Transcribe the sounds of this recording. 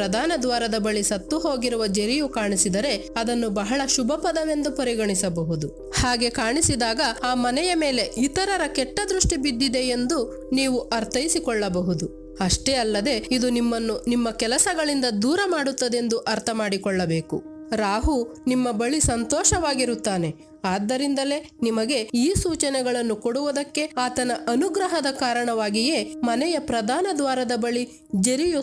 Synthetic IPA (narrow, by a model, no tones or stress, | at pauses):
ɾɐd̪ʱaːnɐd̪ʋaːɾɐd̪ɐbɐɭisɐt̪ːuɦo̞ːɡiɾuʋɐd͡ʒeɾijukaːɳisid̪ɐɾe̞ɐd̪ɐnːubɐɦɐɭɐʃubʱɐpɐd̪ɐʋe̞nd̪upɐɾiɡɐɳisɐbɐɦud̪u | haːɡe̞kaːɳisid̪aːɡɐaːmɐnɛjɐme̞ːle̞it̪ɐɾɐɾɐkɛʈːɐd̪ɾuʂʈibid̪ːid̪e̞end̪u | niːʋuʔɐɾt̪ʰɐjisikɔɭːɐbɐɦud̪u | ɐʂʈeːɐlːɐd̪e̞id̪unimːɐnːunimːɐkɛlɐsɐɡɐɭind̪ɐd̪uːɾɐmaːɽut̪ːɐd̪e̞nd̪uʔɐɾt̪ʰɐmaːɽikɔɭːɐbe̞ːkuɾaːɦunimːɐbɐɭisɐnt̪ɔːʃɐʋaːɡiɾut̪ːaːne̞ | aːd̪ːɐɾind̪ɐle̞ | nimɐɡe̞iːsuːt͡ʃɐnɛɡɐɭɐnːukoɽuʋud̪ɐkːe̞aːt̪ɐnɐʔɐnuɡɾɐɦɐd̪ɐkaːɾɐɳɐʋaːɡije̞ːmɐnɛjɐpɾɐd̪ʱaːnɐd̪ʋaːɾɐd̪ɐbɐɭi | d͡ʒeɾiju